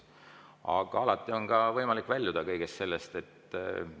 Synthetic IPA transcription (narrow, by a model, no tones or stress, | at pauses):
ɑ̰ɡ̥ɑ̰ɑlɑt̪ˑːio̞nkɑvɤjmɑlikːˑvælʲjud̪̥ɑkɤjɡ̥est̪se̞lːe̞st̪e̞t̪ː